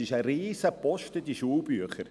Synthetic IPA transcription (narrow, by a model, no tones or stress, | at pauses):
ɪʃəɾiːzəpɔʃtəd̪iʃuːbyəχəɾ